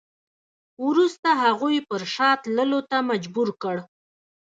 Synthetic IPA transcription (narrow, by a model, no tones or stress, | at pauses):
wɾust̪aɦaɣujpəɾʃɑt̪ləlot̪amad͡ʒbuɾkəɽ